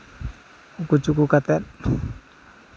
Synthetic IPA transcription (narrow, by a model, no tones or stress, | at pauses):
kukut͡ʃukukat̪ɛt